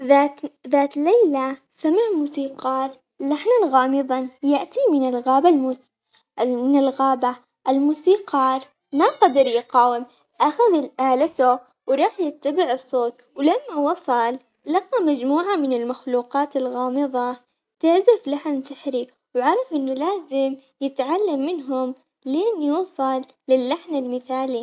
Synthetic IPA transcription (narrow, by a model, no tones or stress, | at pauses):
ðaðaːt̪lajla | samaʕmuːsiːqɑːɾˤ | laħnanɣɑːmɨðˤɑnjaʔt̪imɪnɪlɣaːbalmus | mɪnɪlɣaːba | ʔɪlmuːsiːqɑːɾˤ | maqɑd̪ɑɾˤjɪqɑːwɪm | ʔaxaðɪlʔaːlat̪ʊ | wɾˤɑːħjɪt̪ːabɪʕɨsːoːt̪̚ | wlamːawɑsˤɑlː | ɑqɑmad͡ʒmuːʕamɪnɪlmaxluːqɑːt̪ɪlɣɑːmɨðˤɑ | t̪ɪʕzaflaħnsɪħɾi | wʕɑɾˤɑfʔɪnːʊlaːzɪmjɪt̪ʕalːamːɪnɦʊm | leːnjuːsˤɑlːɪlːaħnalmɪθaːli